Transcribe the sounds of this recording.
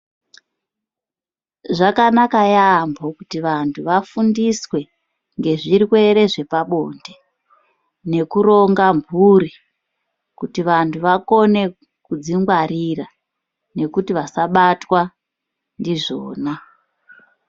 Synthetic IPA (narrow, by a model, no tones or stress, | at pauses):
ʐakanakajambokutiʋantʰuʋafundiswe̞ | ŋɡe̞ʐiɾikweɾe̞ʐe̞paɓo̞nde | ne̞kuɾo̞ŋɡambʱuri | kutiʋantʰuʋako̞ne̞ | kud͡ziŋɡwarira | ne̞kutiʋasaɓatwa | ndiʐo̞ːna